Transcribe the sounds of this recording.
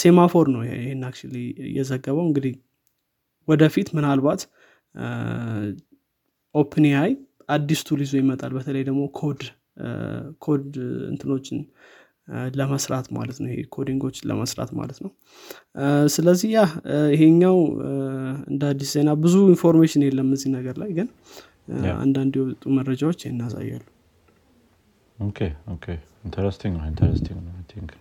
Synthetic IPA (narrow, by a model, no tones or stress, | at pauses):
se̞mafo̞ɾnəw̰ɪhennak̚t͡ʃlijɛ̰zəɡːəβəwɨŋɡɨd̪ih | wɔd̪əfit̪mɨnalbat̪ | ʔo̞pʰnihaj | ʔad̪ːist̪ʰulizojɪmət̪ʼalbət̪ʰələjd̪əɡmo̞kʰo̞d̪ | kʰo̞d̪ɨ̰nt̪ʰɨno̞t͡ʃːɪn | ləməsɾat̪ma̰lət̪nəwjɪhḛkʰo̞d̪iŋɡo̞t͡ʃːlə̰məsɾa̰t̪ma̰lət̪nəw | sɨləzːihjahɪɦe̞ɲːaw | ɨ̰nd̪ad̪ːisze̞nabɨzuinfo̞ɾmeʃɪnjelːəmːəzːinəɡəɾlajɡɨn | a̰nd̪and̪jɛwɔt̪ʼːuməɾəd͡ʒawo̞t͡ʃːnːasa̰jːa̰lːu | okʰeokʰe | int̪ʰəɾɛst̪ʰiŋɡnəint̪ʰəɾɛ̰st̪ʰiŋɡnt̪ʰiŋk